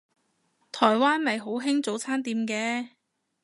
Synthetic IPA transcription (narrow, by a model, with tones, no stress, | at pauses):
t̪ʰɔː˨˩jwaː˥nmɐ˨jɦo˨˥wɦɪ˥ŋt͡so˨˥wt͡sʰaː˥nt̪iː˨mkɛː˧˥